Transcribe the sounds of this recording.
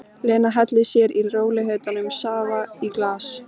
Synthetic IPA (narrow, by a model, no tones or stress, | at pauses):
lɛːnaɦɛt̪lɪsjɛɾilroːwlɪɦeɥt̪anʏmsaːvaiklaːs